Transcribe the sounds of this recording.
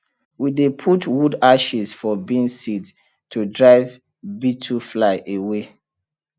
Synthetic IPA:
widepʰutwudaʃizfɔbĩnsid | tʰudɹaɪv | bitʰuflaɪʔewe

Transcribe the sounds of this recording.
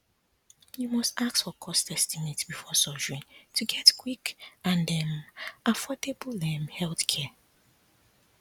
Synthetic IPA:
jumɔstaktfɔkʰɔstɛstimetsbifɔsɔd͡ʒəɹĩtʰuɡɛtkʰwikãndɛ̃mʔafɔdebl̩lɛ̃mhɛlθkʰɛ

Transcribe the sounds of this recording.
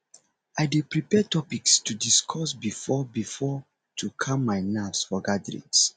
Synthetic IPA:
aɪdepɹipɛtɔpikstudiskʰɔsbifɔbifɔ | tʰukʰãmːaɪnafsfɔɡadɹḭ̃ns

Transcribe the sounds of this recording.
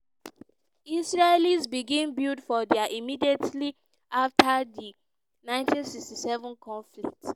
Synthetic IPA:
isɹelisbiɡĩnbildfɔdɛaʔimidietli | aftʰadi | nãɪ̃ntĩnsikstisɛvɔ̃nkʰɔ̃nflḭk̚t

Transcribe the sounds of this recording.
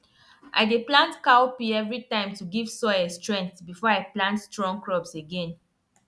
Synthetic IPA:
ʔa̰ɪdeplãntkaopiɛvɹitãɪ̃mtuɡiv̥sɔɪɛstɹɛ̃ŋktbifɔaɪplãntstɹɔ̃ŋkɹɔbseɡɛ̃n

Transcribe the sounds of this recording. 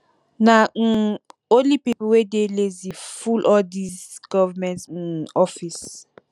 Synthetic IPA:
naŋ̩olipipɔwedelezifulʔɔdisɡ̥ɔvamɛ̃nt̩ɔfis

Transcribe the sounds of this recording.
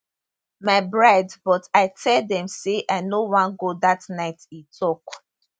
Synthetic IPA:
maɪbɹadbɔtaɪtʰɛldɛ̃mseʔaɪnowãnɡodatnaɪtitʰɔk

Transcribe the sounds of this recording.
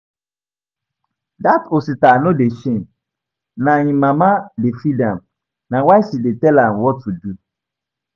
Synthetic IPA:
datositanõdeʃẽn | nãɲĩmãmãdefɾidãm | nãwaɪsidetɛlãmwɔtʰːudu

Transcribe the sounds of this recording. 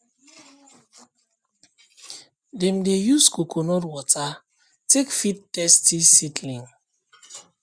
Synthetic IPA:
demdejuskokʰonɔtwɔtʰa | tekfit̚tɛstisitʰlĩŋ

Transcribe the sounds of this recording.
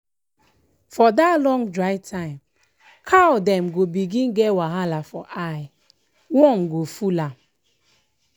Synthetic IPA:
fɔdatlɔ̃ŋdɹaɪtʰãɪ̃m | kʰawdɛ̃mɡobiɡĩnɡɛwaɦalafɔʔaj | wɔ̃mɡofula

